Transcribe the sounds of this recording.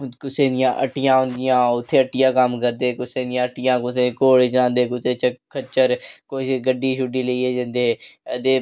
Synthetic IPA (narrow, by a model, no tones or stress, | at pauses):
kʊseːd̪ɪjãːʔə̰ʈɪjãːʊ̃nd̪ɪjãːʊt̪ʰːeːəʈːɪjãːkəmkəɾd̪eːkʊseːd̪ɪjãːəʈɪjãːkʊsẽːkoːɽet͡ʃənãːnd̪eːkʊseːt͡ʃəkʰət͡ʃːəɾkoːsɡəɖiːʃʊɖiːləieːd͡ʒə̃nd̪eːt̪eː